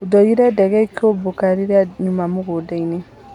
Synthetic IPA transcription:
udɔjiɾɛdɛɡɛikobokaɾiɾaɲumamuɡodɛine

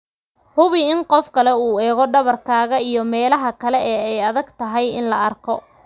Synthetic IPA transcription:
hʊβɪɪnqɔfkʰɐlɛuːɛːɣɔɖɐβɐrkʰaːɣɐijɔmɛːlɐɦɐkʰɐlɛʔɛːɛjɐðɐɡt̪ʰɐɦɛjɪ̰nlɐɐrkʰɔ

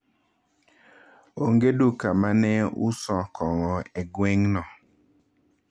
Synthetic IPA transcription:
oŋɡedukamanɛʊ̰sɔkʰɔŋɔeɡweŋnɔ

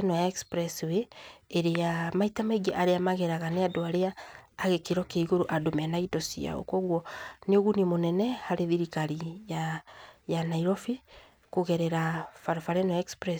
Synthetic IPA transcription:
nɔjaɛkspɾɛsweːɾejamaitamaiɡiaʔaɾeamaɣɛɾaɣaneadoaɾeaːɣekeɾɔkeiɣoɾoʔadomɛnaidɔsia̰o̰kwɔɣwɔneoɣunemonɛnɛhaɾeðiɾikaɾijajanaiɾɔfi | koɣɛɾɛɾafaɾofaɾɛnɔaɛkspɾɛs

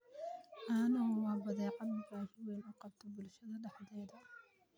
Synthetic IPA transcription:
ʔɐnɐwɑːbɐðɛːqɑd̪mɪɡaːʃɪwɛnʊqɑb̚t̪ʰɔbʊlʃɐðɐɖɑħðɛːðɐ

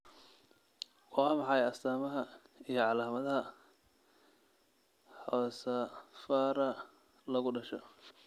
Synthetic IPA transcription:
wɑːmɑħɑjɐst̪ʰaːmɐɦɐijɞʕɑlaːmɐðɐɦɐ | ħɔːsɐfaːɾɐ | lɐɣʊɖɐʃɔ

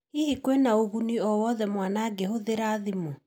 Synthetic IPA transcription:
hihikwenaoɣuniɔwɔðɛmwanaɡehoðeɾaːðimo

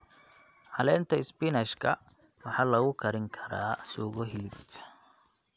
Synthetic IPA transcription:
hɐlɛːnt̪ʰɐɪspɪnɛʃkʰɐ | wɑħɑːlɐɣʊkʰɐɾɪŋkʰɐ̥ɾaːsuːɣɔɦiːdkʰ

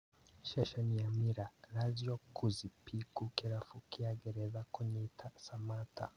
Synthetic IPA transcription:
ʃɛʃaniamiɾaɾaziɔkuzipikukɛɾafukiaɡɛɾɛðakwɛɲɛitʰasamatʰa̰

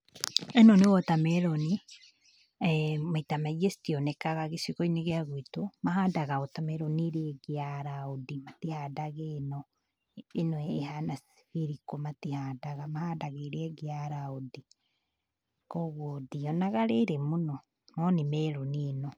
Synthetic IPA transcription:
ɛnɔnewɔtamɛɾɔni | maitamaesi̥tiɔnɛkaɣaɣesiɣɔineɣeaɣwitomahadaɣaotamɛɾɔniɾeɛɡeaɾaodimatihaːdaɣenɔ | enwɛːhanas | fiɾikomatihaːdaɣamahadaɣeɾɛɡeaɾaodi | kɔɣwɔdiɔnaɣaɾeɾɛmunɔ | nɔnemɛɾɔniːnɔ

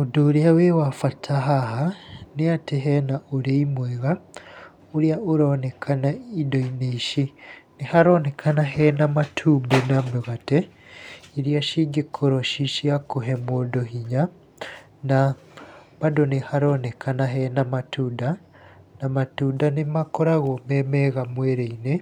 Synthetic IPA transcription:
odoɾeawewafatʰaɦaɦaneateɦɛnaʔoɾeimwɛɣa | oɾiaʔoɾɔnekʰanaidoineiʃinehaɾɔnekʰanaɦɛnamatʰuːmbenameɣatɛ | iɾiaʃiɡekʰoɾɔʃiʃiakoɦɛmodɔɦiɲa | na | βadonehaɾɔnekanaɦɛnamatuda | namatudanemakɔɾaɣɔmɛmɛɣamwɛɾeine

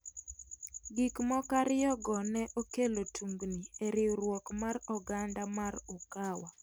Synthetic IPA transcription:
ɡikmɔkaɾɪjɔɡɔnɛʔokelotʰuŋɡnieɾɪɾwɔkmarɔɡandamaɾɔkawa

